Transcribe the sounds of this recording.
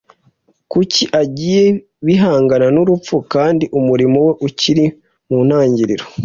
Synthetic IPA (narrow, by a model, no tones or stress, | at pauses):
kuciʔaɟiːje̞ | βiɦaːŋɡananuɾup͡fukaːndiʔumuɾimowe̞ʔuciɾi | mun̥aːɲɟiɾiɾo